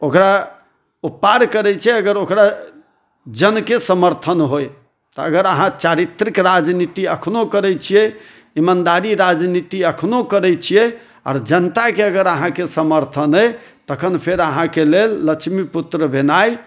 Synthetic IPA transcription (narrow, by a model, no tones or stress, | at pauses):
okɾa | upːaɾkəɾɛt͡ʃʰijɛəɡəɾokɾa | d͡ʒənkesəməɾt̪ʰənɦoj | t̪ɔəɡəɾəɦãt͡ʃaɾit̪ɾikɾad͡ʒnit̪iəkʰnokəɾɛt͡ʃʰijɛ | imand̪aɾiɾad͡ʒnit̪iəkʰnokəɾɛt͡ʃʰijɛ | a̰ːɾd͡ʒənt̪akeəɡəɾəɦãkesəməɾt̪ʰənɦəjt̪əkʰənpʰeɾəɦãkelelːət͡ʃʰmiput̪ɾəbʱenaj